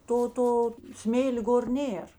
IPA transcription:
ˈtoː ˈtoː ˈsʲmʲeːlʲ ˈɡoːr ˈnʲeːr

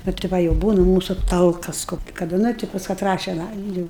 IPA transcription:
ˈnʊ tʲɪ ˈʋɐ jɛʊ ˈbuːnɐ ˈmuːsʊ ˈtɐlˠkɐs ˈkoːkʲɪ kɐˈdɐ ˈnʊ tʲɪ pɐs kɐˈtrɑː ˈʃʲɛn ˈɑːjɛm ˈjuːʊ

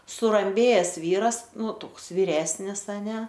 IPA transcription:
sʊrɐmʲˈbʲeːjɛs ˈʋʲiːrɐs ˈnʊ ˈtoːks ʋʲiːˈrʲæːsʲnʲɪs ɐˈnʲɛ

